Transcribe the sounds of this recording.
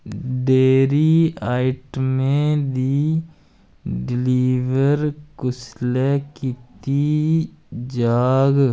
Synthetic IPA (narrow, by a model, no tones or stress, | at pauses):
ɖeːɾiaːɪʈmẽd̪i | ɖɪliːʋəɾkʊslekit̪i | d͡ʒaːɡ